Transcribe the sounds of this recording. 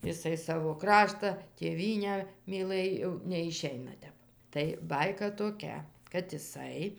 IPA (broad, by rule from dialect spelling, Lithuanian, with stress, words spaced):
jɪˈsɐɪ ˈsɑːʋoː ˈkrɑːʃtɐ tʲeːˈʋʲiːnʲæː mʲiːˈlˠɘj jɛʊ nʲɛɪˈʃʲɛɪnɐ ˈtʲɛp tɐɪ ˈbɐɪkɐ toːˈkʲɛ kɐt ɪˈsɐɪ